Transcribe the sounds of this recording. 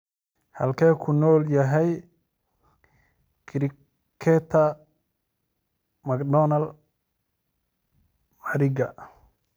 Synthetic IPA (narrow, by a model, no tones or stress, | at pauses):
hɐlkʰɛːkʰʊnɔːljɐɦɛj | kʰɾɪ | kʰɛt̪ʰɐ | mɐɡdɔnɐl | maɾɪɡɐ